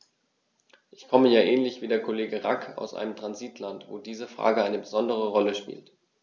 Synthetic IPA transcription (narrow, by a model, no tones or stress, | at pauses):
ʔɪçkʰɔməjaːʔɛːnlɪçv̥iːdeːɐkʰoleːɡəʁakʰa̰ʊsʔa̰ɪnəmtʁ̥anziːtʰlantv̥oːdiːzəfʁ̥a̰ːɡəʔaɪnəbəzɔndəʁ̞əʁɔləʃpḭːlt